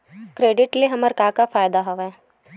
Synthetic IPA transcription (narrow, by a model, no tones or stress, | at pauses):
kɾeːɖɪʈleɦɐməɾkaːkafaːjd̪aɦoʋɛː